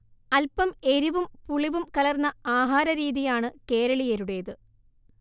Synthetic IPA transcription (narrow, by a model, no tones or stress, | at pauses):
ɐlpɐme̞ɾuʋumpuɭiʋumkɐlɐrnːɐaːɦaːɾɐɾiːðijaːɳɨke̞ːɾɐɭijeɾuɽe̞ːðɨ